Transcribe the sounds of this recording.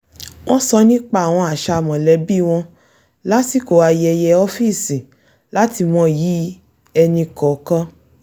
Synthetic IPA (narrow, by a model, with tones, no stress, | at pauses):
w̃ɔ̃˦sɔ˧nĩ˦k͡pa˧˨a˨w̃ɔ̃˧a˨ʃa˧˨mɔ̃˨lɛ˨˦bi˦˨w̃ɔ̃˧ | la˦ti˦ko˨wa˧jɛ˧jɛ˧ɔ˦fi˦˨sĩ˨ | la˦ti˧mɔ̃˧˦ji˨˦ | ɛ˧nĩ˧kɔ˨˦kã˦